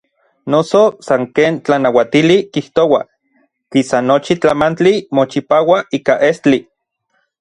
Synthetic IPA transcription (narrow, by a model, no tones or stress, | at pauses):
nososaŋkeːnt͡ɬanawat̪ilikiht̪owa | kisanːot͡ʃit͡ɬamant͡ɬimot͡ʃipaːwaiːkaʔest͡ɬi